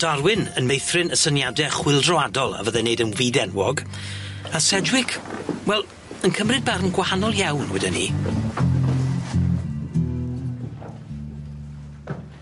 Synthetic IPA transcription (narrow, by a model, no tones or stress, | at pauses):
d̥arwɪnənmejθrɪnəsənjadɛχwɪlˠdrɔadɔlˠa̰vəðɛneɨdənwiːdɛnwɔɡ | asɛdwɪkʰwɛlˠ | ənkʰəmrɨd̚barnɡwahanɔlˠjawnwɛdɛnḭ